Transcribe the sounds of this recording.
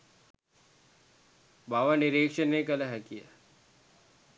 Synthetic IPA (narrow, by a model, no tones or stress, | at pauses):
baːʋaniɾeːkʃənːekɐlaɦɐkija̰